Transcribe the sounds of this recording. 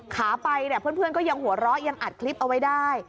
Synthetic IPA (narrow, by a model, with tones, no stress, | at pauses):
kʰaː˩˦pa˧jna˥˩pʰɯ˥˩˨npʰɯ˥˩ənkɔː˥˩ja˧ŋhu˨˩˦ɐɾɔː˦˥ja˧ŋʔa˨˩t̪̚kʰli˦˥p̚ʔa˧wa˦˥jdaː˥˩j